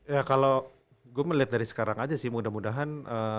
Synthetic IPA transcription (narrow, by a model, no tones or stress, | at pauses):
jakalo | ɡuaməliat̪̚daɾisə̥kaɾaŋad͡ʒasɪhmudahmudaɦanə